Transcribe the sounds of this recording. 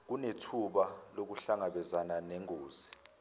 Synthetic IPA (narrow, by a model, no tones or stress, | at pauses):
k̬unetʰuɓalok̬uɬaŋaɓɛzananɛŋoːzi